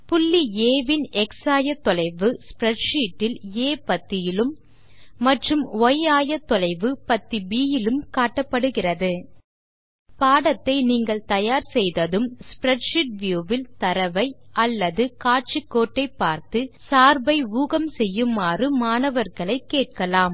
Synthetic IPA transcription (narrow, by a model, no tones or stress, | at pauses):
pʊlːieːʋɪnɛksaːjɐt̪ːɔlɐɪʋɯspɾɛʈʂiːʈːɪleːpɐt̪ːɪjɪlɯmː | ɐʈrɯmɔjaːjɐt̪ːɔlɐɪʋɯpɐt̪ːibiːjɪlɯmkaːʈːɐpːɐɽɯɣɪrɐðɯ | paːɽɐt̪ːɐɪniːŋɡɐɭt̪ɐjaːɾsɛjðɐðɯmspɾɛʈʂɪʈ̚ʋjuːʋɪlt̪ɐɾɐʋɐɪʔɐlːɐðɯkaːʈ̚t͡ʃikːoːʈːɐɪpːaːɾt̪ɯsaːɾbɐɪuːɣɐmsɛjːɯmaːrɯmaːnɐʋɐɾɣɐɭɐɪkːeːʈ̚kɐlaːm